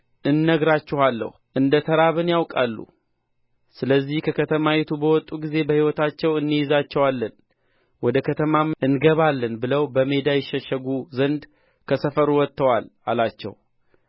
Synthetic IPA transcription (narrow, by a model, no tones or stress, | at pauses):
ʔɨnːəɡɾat͡ʃːɪhalːə̰h | ʔɨnd̪ət̪ʰəɾaβɨnjawkʼalːṵ | sɨləzːihkʰəkʰət̪ʰəmawɛt̪ʰubəwɔt̪ʼːuɡize̞bəhiwɔt̪ʰat͡ʃːɛwɨnːɨjɪzat͡ʃːɛwalːən | wɔd̪əkʰət̪ʰəmaʔɨnɡəβalːənbɨləwbəme̞d̪ajɛʃːəʃːəɡuzənd̪ | kʰəsəfəɾuwɔt̪ːəwala̰lat͡ʃːɛ̰w